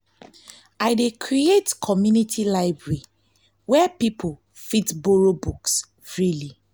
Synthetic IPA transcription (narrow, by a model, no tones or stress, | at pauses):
aɪdekʰɹietkʰɔmjunitʰilaɪbɹɛɹi | wɛpipʰo | fitboɹobuks | ɹili